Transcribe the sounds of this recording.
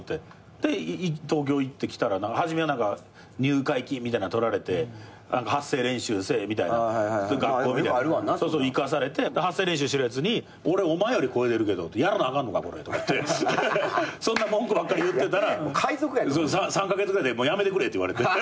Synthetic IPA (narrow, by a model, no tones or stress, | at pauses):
t̪ːe | d̪̥e̞it̪o̞ːk̬ʲo̞ːit̪ːe̞kʲi̥t̪aɾanãŋkahaʑime̞anãŋka | ɲ̟ɨːkaikʲĩmʲːit̪ainat̪o̞ɾaɾe̞t̪e̞ | nãŋkahasːe̞ːɾẽ̞ɰ̃ɕɨːse̞ːmʲit̪aina̰ɡakːo̞ːmmitasoːsoikas̬aɾe̞t̪e̞d̪ehasːe̞ːɾẽɕ̬ɨːɕiɾɯjat͡sɨɲ̟i | o̞ɾe̞o̞maejo̞ɾʲiko̞e̞t̪eɾɯ̟ke̞d̪ot̪ːjaɾanoaɡãnːo̞ka̰ko̞ɾḛt̪oka̰t̪ːe̞ | sõ̞nːamõŋkɯbakːaɾʲijɯt̪ːe̞t̪aɾakʰaizokɯ̟jasosãsãŋkaɡe̞t͡sɨɡɯɾajd̪emoːjame̞t̪e̞kɯ̟ɾe̞t̪oiβa̰ɾe̞t̪e